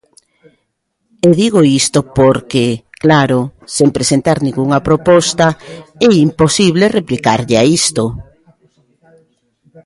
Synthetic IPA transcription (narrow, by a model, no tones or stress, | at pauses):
eðiɣoist̪opoɾkeklaɾosempɾesent̪aɾnĩŋɡuŋɐpɾopɔst̪aɛimposiβlereplikaɾʎeaist̪o